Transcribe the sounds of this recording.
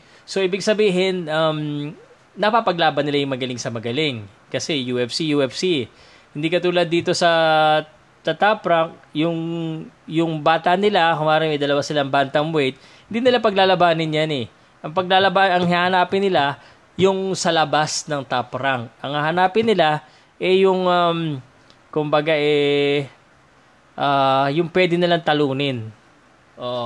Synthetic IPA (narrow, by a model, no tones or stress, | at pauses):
so̞ʔiːbɪɡ̚sɐbiːɦɪnʔɐm | nɐpapɐɡlaːbɐnɪlajʊŋmɐɡɐlɪŋsɐmɐɡɐlɪŋ | kɐsɛjuːʔɛfsijuʔɛfsi | hɪnd̪iːkɐt̪uːlɐd̪ːiːt̪o̞sɐ | t̪ɐt̪apɾɐŋk̚jʊŋ | jʊŋbaːt̪ɐnɪlakʊŋaːɾɐnmɐjd̪ɐlɐwasɪlaŋbant̪ɐŋwɛjt̪̚ | hɪnd̪iːnɪlapɐɡ̚laːlɐbaːnɪnjanɛ | ʔɐŋpɐɡ̚lalɐbaɐŋhɪnahɐnaːpɪnɪla | jʊŋsɐlɐbasnɐŋt̪apɾaŋʔɐŋhɐhɐnaːpɪnːɪla | ʔɛjʊŋam | kʊmbɐɡaʔɛ | ʔaːjʊŋpwɛd̪ɪnɪlaŋt̪ɐluːnɪn | ʔoʔ